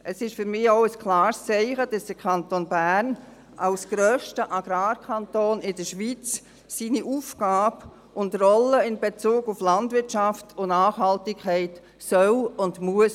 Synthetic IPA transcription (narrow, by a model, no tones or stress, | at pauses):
ʔəsɪʃfʏɾmɪaʊəskʰlɑːɾst͡sɛɪχəd̥ɑsd̥əkʰɑntonbæn | alsɡ̥ɾœːʃtəʔɑɡ̥ɾaːkʰɑntoːnɪdəʃʋit͡s | siːniʔuːfkaːb | ʊndrɔləɪnbet͡suːɡʊflɑndvʋɪtt͡ʃɑftʰʊnaːχhɑltɪkʰχɛɪt | sœlʊndmuəs